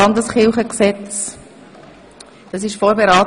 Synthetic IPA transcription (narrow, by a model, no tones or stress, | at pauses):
ɑndəsχɪlˠχəksɛt͡s | d̥ɑsɪʃfoːɾbeɾɑː